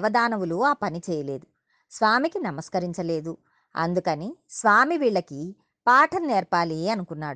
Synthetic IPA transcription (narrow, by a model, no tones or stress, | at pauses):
ʋɐd̪aːnɐwuluaːpɐnit͡ʃɛːjɐle̞ːd̪u | sʋaːmikinɐmɐskɐɾiɲt͡ʃɐle̞ːd̪u | ɐ̰nd̪ukɐnisʋaːmiʋiːɭːɐki | paːʈʰɐnneːɾpaːliɐnukunːaːɽu